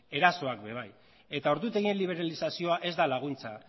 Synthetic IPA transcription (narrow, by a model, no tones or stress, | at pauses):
e̞ɾaso̞akbe̞β̞aj | e̞t̪ao̞ɾðut̪e̞ɣienliβ̞e̞ɾalisasio̞aʔe̞zd̪alaɣ̞unt͡sa